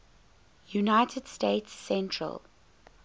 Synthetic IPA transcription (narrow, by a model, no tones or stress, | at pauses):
junaɪtʰəd̥steɪtsːɛ̃ntʰɹə̰lˠ